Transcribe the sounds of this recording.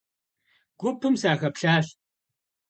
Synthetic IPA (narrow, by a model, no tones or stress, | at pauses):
ɡ̥ʷʊpʰːɨmsaːxɐpɬaːɬ